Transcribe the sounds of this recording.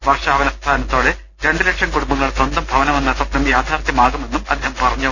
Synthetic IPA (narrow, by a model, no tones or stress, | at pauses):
ʋɐrʂaːʋɐnɐst̪ʰaːnɐt̪ːo̞ːɽe | ɾe̞ɳɖɨɾɐkʂɐmkuɽumbɐŋːɐɭswɐnd̪ɐmbʱɐʋɐnɐmɐnːɐt̪ːɐknɐmjaːd̪ʱaːɾt̪jɐmaːɣume̞nːumɐ̰d̪ʱːeːhɐmpɐrɐɲːu